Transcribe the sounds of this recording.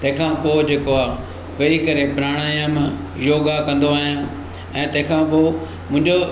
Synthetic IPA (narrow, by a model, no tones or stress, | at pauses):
t̪ɐ̃ɦɪ̃kʰãpoːd͡ʑeːkoaː | ʋɐikɐɾepɾaːɽ̃aːjam | joːɡakɐ̃nd̪oaːɦijãː | ɛ̃ːt̪ɐ̃ɦɪ̃kʰãpoː | mʊ̃ɦɪ̃ɲd͡ʑo